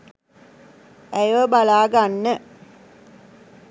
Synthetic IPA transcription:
æjʋəbalaːɡanːə

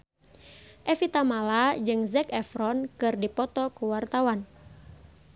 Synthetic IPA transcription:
ʔɛfit̪amalad͡ʒɨŋzɛkɛfɾɔnkɨrdipɔt̪ɔkuwart̪awan

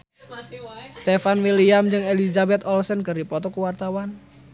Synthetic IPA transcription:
st̪efanwiliamd͡ʒɨŋelizabɛt̪ɔlsənkərdipɔt̪ɔkuwart̪awan

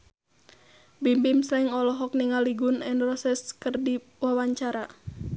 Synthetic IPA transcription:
bimbimsɛiŋɔlɔɦɔk̚niŋaliɡunɛnrɔsɛskərdi | wawaɲt͡ʃaɾa

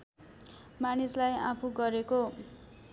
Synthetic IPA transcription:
manislajapʰuɡʌɾeko

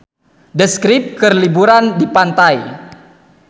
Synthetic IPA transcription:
dəskɾip̚kərlibuɾandipant̪aj

